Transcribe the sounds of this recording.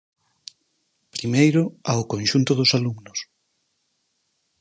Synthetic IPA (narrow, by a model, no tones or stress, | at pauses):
pɾimejɾʊaʊkõnʃunt̪ʊðʊsaluŋnʊs